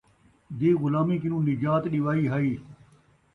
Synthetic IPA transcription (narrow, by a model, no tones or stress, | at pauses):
d̪eːɣʊlaːmĩːkɪnũːnɪd͡ʒaːt̪ɗɪʋaːiːɦaːiː